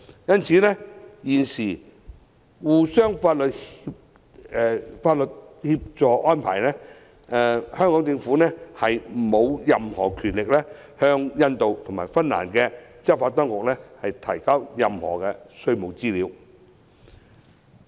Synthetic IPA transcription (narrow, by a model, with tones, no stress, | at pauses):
jɐ˥nt͡sʰiː˨˥nɛː˥jiː˨˩nsiː˨˩ | wuː˨˩sœː˥ŋfaː˧t̚lɵ˨t̚hi˧p̚ | ɛ˨˧faː˧t̚lə˨t̚hiː˧p̚t͡ʃɔː˨ʔɔː˥npʰa̰ː˨˩jnɛː˥ | ɛ˨hœː˥ŋkɔː˨˥ŋt͡sɪ˧ŋfuː˨˥nɛː˥hɐ˨jmo˨˧wjɐ˨mhɔː˨˩kʰyː˨˩nlɪ˨k̚lɛː˥ | hœː˧ŋjɐ˧nt̪o˨wt̪ʰʊ˨˩ŋmaː˨˩jfɐ˥nːa̰ː˨˩nkɛ˧t͡sɐ˥faː˧t̪ɔː˥ŋkʊ˨k̚lɛ˥hɐ˨jt̪ʰɐ˨˩jkɐ˥wjɐ˨mhɔ̰ː˨˩kɛ˧sɵ˥ɥmo˨wt͡siː˥liː˨˧w